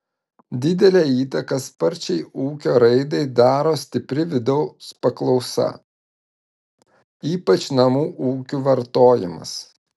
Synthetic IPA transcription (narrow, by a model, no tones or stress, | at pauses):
d̪ʲɪd̪ʲɛlʲɛːiːt̪ɐkɐspɐɾʲt͡ʃʲɛɪuːkʲoːɾɐɪd̪ɐɪd̪ɑːɾoːsʲt̪ʲɪpʲɾʲɪʋʲɪd̪ɐʊspɐklˠɒʊsɐ̰ | iːpɐt͡ʃnɐmuːʔuːkʲuːʋɐɾt̪oːjɪ̰mɐ̰s